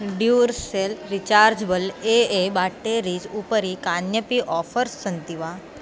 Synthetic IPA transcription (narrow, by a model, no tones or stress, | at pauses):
ɖjuɾselɾit͡ʃaɾd͡ʒbəleebaʈːeɾid͡ʒupəɾikanjəpiʔɔfʰəɾsːənt̪iʋa